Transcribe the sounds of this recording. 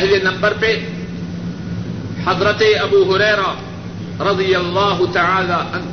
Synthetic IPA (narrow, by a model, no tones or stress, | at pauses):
ɦilɐnɐmbɐɾpeː | ħɐðɾɐt̪eɐbuːɦʊɾɐːɾɐ | ɾɐd̪ijɐlˤːaːɦʊt̪aʕaːlaːʔɐn